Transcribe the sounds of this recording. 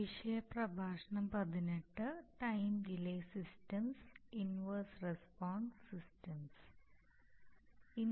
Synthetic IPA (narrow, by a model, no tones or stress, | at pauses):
iʂɐjɐpɾɐbʱaːʂɐɳɐmpɐd̪ineʈːɨʈɐjmɖileːsisʈɐmsinʋɐɾsɾespɔːɳɖsisʈɐms | in